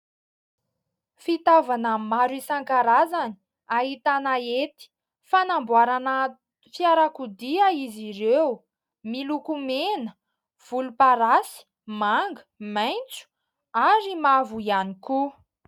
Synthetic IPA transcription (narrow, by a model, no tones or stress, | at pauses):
fit̪avanamaɾisaŋkaɾazani̥ | aɦit̪anaet̪i̥ | fanambwaɾanə | fjaɾakud̪iaiziɾew | milukumenə | v̥ulupaɾasi̥ | maŋɡə̥majnt͡su̥ | aɾimavuianiku